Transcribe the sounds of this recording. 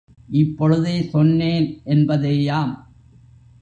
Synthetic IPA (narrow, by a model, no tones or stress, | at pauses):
ʔɪpːɔɻɯðeːsɔnːeːnʔɛnbɐðeːjaːm